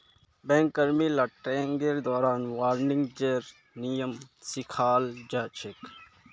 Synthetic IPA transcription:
bɛ̃ːŋkɐɾmiːlɐʈːẽːŋɡeːɾd̪ɔːɾaːnʋaːɾnɪŋɡd͡ʒeːɾ | nijəmsikʰaːld͡ʒaːt͡ʃʰek

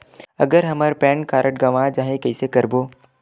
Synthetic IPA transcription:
ɐɡəɾɦɐməɾpɛːnkaːɾəʈ̚ɡɐʋãd͡ʒãːɦẽkɐisekɐɾboː

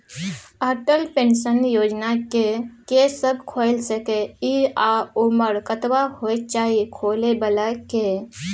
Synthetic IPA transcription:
əɾʈəlpẽnʃənjoːd͡ʒnakekesəbkʰoɪlsəkeiaʊməɾkət̪ʋahot͡ʃaːikʰoːlebəlake

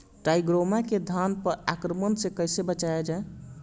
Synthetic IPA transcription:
ʈaiɡɾomaked̪ʱanpəɾakɾəmənsekəjsebət͡ʃaed͡ʒae

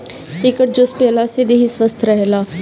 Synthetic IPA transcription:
ɪkəʈ̚d͡ʒʊspeːlased̪eɦisʋəst̪ʰɾəɦlaː

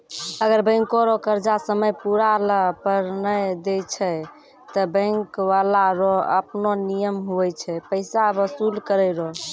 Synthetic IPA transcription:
əɡəɾbə̃ŋkoɾɔkəɾd͡ʒasəməjpuɾaləpəɾnəjd̪et͡ʃʰɛ | t̪ɔbə̃ŋkʋalaɾɔəpnonijəmɦuɛt͡ʃʰɛpəɪsabəsulkəɾɛɾɔ

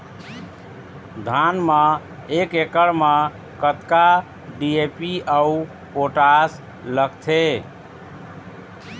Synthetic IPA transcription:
d̪ʱanmə | ekekəɽmə | kət̪ka | ɖiepiəu | poʈas | ləkt̪ʰe

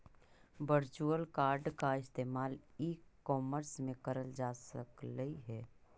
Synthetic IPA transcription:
ʋəɾt͡ʃuəlkaːɾɖkaɪst̪eːmaːliːkːɔːməɾsmẽkəɾəld͡ʒaːsəkləiɦɛː

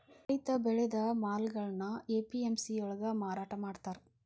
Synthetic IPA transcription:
ɐjt̪ɐbɛɭɛd̪ɐmaːlɡɐɭnɐeːpiemsiɔɭɐɡɐmaːɾaːʈɐmaːɽt̪aːɾ

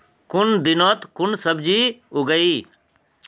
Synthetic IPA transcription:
kʊnd̪ɪnot̪kʊnsɐbd͡ʒiuɡəiː

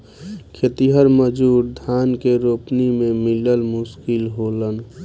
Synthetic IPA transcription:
kʰet̪iɦəɾməd͡ʒuːɾd̪ʱaːnkeɾopnimẽmiləlmʊskɪlɦoːlən

